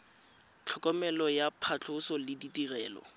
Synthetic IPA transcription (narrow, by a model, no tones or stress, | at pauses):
t͡ɬʰɔkɔmɛlɔjapʰat͡ɬʰʊsɔlɪditirɛːlɔ̰